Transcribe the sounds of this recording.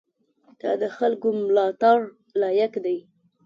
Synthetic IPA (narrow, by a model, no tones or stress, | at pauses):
t̪ɑd̪əxalkomlɑt̪ɑɾ | lɑjakd̪aj